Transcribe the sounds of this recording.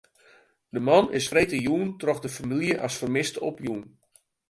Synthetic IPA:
dəmɑnɪ̰sfretəjuːntrɔxdəfamiljəʔasfərmɪstəɔ̰pjuːn

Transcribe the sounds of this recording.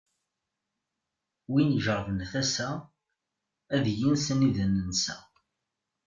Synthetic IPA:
winʒəɾvənθæsæ | æðjinsəniðənənsæ̰

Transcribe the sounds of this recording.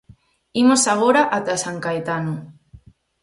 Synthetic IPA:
imosaɣ̞oɾaʔat̪asaŋkajt̪ano

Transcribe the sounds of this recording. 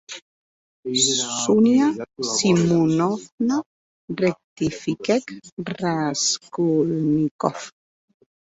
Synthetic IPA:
unjasimunɔfna | rek̚t̪ifikɛkraskulnikɔf

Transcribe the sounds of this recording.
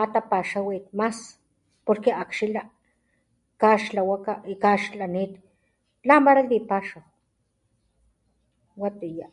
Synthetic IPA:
at̪apaʃawit̪mas | poɾkeakʃila | kaʃlawakakaʃlaniːt̪ | lampaɾakd̪ipaʃaw | wat̪ija

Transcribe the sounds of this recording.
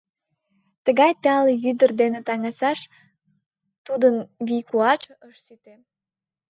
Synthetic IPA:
t̪əɣɑjt̪eɑljyd̪ərd̪enet̪ɑŋɑsɑʃ | t̪ud̪ənβikuɑt͡ʃʔəʃsyt̪e

